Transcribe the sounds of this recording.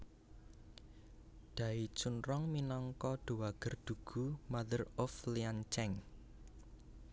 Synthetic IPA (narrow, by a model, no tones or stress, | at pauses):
d̪̥ä̤it͡ʃunrɔŋminɔŋkɔɖ̪̥o̤waɡ̥ə̤rd̪̥ṳɡ̥ṳmad̪ərɔfliant͡ʃɛŋ